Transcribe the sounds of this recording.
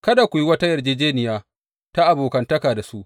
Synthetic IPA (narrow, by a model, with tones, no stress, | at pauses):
kɐ˦da˨kʷu˨ji˦wɐ˦ta˦jɐ˨rd͡ʒeː˦d͡ʒeː˦nɪ˨jaː˦ | ta˦ʔa˨boː˨kɐ˨ntɐ˦kaː˨da˨su˦ʔ